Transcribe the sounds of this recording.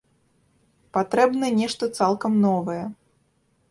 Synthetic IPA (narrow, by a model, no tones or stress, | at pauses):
pat̪ɾɛbnɐnʲɛʂt̪ɐt̪salˠkɐmnɔvɐjɛ